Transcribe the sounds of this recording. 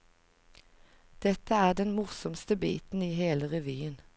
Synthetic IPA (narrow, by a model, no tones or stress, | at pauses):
d̪̥ɛt̪əæːʁd̪ɛnmʊʁsɔmst̪əbḭːt̪n̩iːheːləʁɛʋyːən